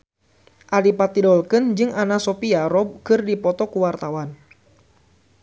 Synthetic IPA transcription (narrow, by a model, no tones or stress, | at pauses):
ʔalipat̪idɔlkɨnd͡ʒɨŋanasɔpiaɾɔbkɨrdipɔt̪ɔkuwart̪awan